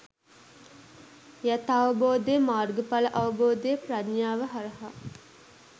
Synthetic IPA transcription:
jæt̪aʋəboːd̪ejəmaːrɡəpaləʔɐʋəboːd̪ejəpradɲaːʋəɦaɾɐɦa

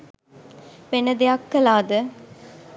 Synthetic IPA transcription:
ʋenəd̪ejakːɐlaːd̪ə

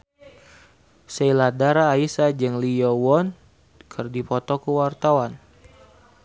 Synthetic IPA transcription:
sɛiladaɾaːisad͡ʒəŋlijɔwɔn | kʰɨrdipɔt̪ɔkəwart̪awan

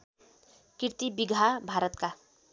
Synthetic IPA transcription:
kirt̪ibiɡʱabʱaɾʌt̪ka

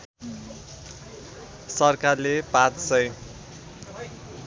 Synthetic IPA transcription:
sʌrkarlepãt͡ssʌj

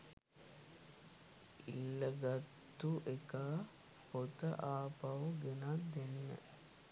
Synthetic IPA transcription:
ḭlːəɡat̪ːuʔekaː | hot̪əʔaːpawəɡenand̪eninə̰

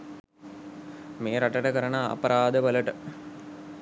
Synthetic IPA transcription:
meːɾaʈəʈəkəɾənə̰ːpəɾʔaːd̪əʋələʈə

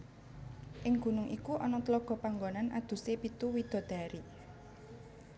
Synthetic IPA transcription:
ʔɪŋɡ̥ṳnʊŋʔikuʔɔnɔt̪lɔɡ̥ɔ̤paŋɡonanʔa̰d̪̥ṳsepit̪uwid̪̥ɔ̤d̪̥ä̤ɾi

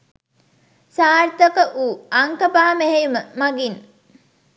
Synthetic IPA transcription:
saːrt̪okəʔuːaŋkəpaːmeɦejuməmaɡin

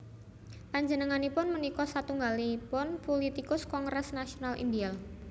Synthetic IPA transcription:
paɲd͡ʒənəŋanipʊnmənikɔsat̪uŋɡalipʊnpolit̪ikʊskɔŋɡɾɛsnasionalʔḭndial

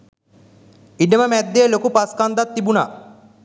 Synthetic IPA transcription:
iɖɐmɐmɛd̪elokupɐskaːnd̪at̪ːibuna̰

